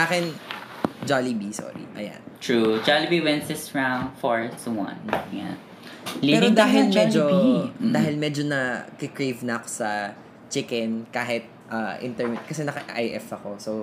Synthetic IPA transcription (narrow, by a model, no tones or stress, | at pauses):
saːkɛn | d͡ʒaːlibiso̰ɹḭʔɐ̰ja̰nt̪ɹud͡ʒalibiwɛ̃nsɪsɹãwnd̪fɔɹswɐ̰̃nja̰ | liɛːɾod̪aːɦɪlmmɛd͡ʒod̪aːɦɪlmɛd͡ʒonɐkɪkɹejvnɐʔɐkosɐ | t͡ʃɪkɛnkaːɦɪt̪̚ʔaʔɪ̰nt̪ɛɹmɪt̪̚kɐsɛnɐkɐʔʔajʔɛfɐko̞so